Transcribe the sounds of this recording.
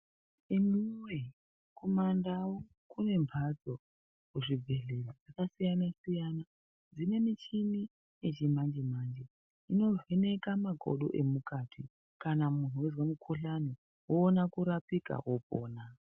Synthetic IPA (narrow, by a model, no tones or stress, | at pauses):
emiŋwe | kʰomandawo | kune̞mpʰad͡zo̞ | kuʐib͡vʱe̞ɮelod͡zakasijanasijana | d͡zine̞mit͡ʃini | et͡ʃimand͡ʒemaːnd͡ʒe | ino̞vene̞kamaɡʱo̰ɗo̰ʔe̞mukaːtʰi | kanamun̤uwezwamukʰoɬani | woːnakuɾapika̰wopo̰ːna